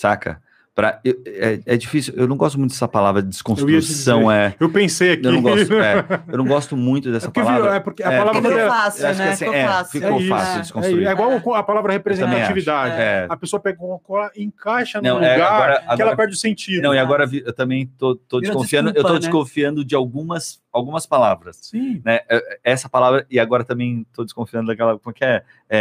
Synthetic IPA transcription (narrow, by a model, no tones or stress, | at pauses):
sakɐ̰ | pɾɐewɛɛd͡ʒifisiuwewnɐ̃w̃ɡɔst̪ʊmũt̪d̪ɛsɐpalavɾɐd͡ʒɪd͡ʒi̥skõsst̪ɾsɐ̃w̃ɛewpẽsejakeewnɐ̃ɡɔsɛwnɐ̃ɡɔst̪ʊmũj̃t̪ʊd̪ɛsɐpɾkeliaoɛpʊɾkeɐpalavɾɐd̪ɛasewakasĩɛasfikkoifasuwd͡ʒiskõt̪uiɛiɡwawkõɐpalavɾɐhepɾezẽɐ̃mẽj̃at͡ʃiaviʃd̪ad͡ʒɪɛɐpesoɐpeɡowɐkɔɐẽŋkaʃɐnnɐ̃w̃luɛɡaaɾɔɾɐaɡɪɛlɐpɛɾd͡ʒɪʊsẽnt͡ʃid̪nɐ̃w̃iaɡɔɾɐviewt̪ɐ̃mẽj̃t̪ot̪od͡ʒsskõfiɐ̃nd̪ʊewt̪od͡ʒiskõfiɐ̃nd̪ʊd͡ʒɪawɡũmɐs | awɡũmɐspalavɾɐsnɛɛɛɛsɐpalavɾɐɪaɡɔɾɐt̪ɐ̃mẽj̃t̪od͡ʒɪskõfiɐ̃nd̪ʊd̪ɐkɛlɐkõmɛkɪɛ | ɛ